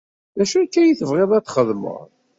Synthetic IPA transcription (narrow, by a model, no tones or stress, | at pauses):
ðæʃukːæjiθəvʁeðˤæt̪ːχəðmə̰ʁ